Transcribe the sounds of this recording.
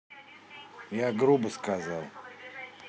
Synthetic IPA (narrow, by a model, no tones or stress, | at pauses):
jaɡɾubəskazalˠ